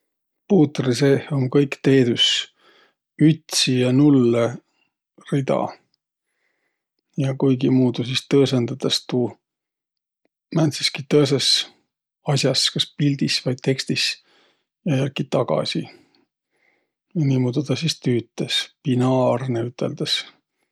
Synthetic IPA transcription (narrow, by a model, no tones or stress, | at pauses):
puːt̪riseːhoŋkɤjkt̪e̞ːd̪us | yt̪sijɑnulːe | rid̪ɑ̰ | jɑkujɡimuːd̪usist̪ɤːsend̪̥ɑt̪ɑst̪uː | mænsiskit̪ɤes̬es | ɑsjɑskɑspild̪isvɑjd̪̥̚t̪e̞kst̪is | jɑjækːit̪ɑɡ̥ɑ̰si | jniːmuːd̪ud̪ɑsist̪yːt̪ːˑespinɑːrneyt̪ːˑe̞̰ld̪̥ɑs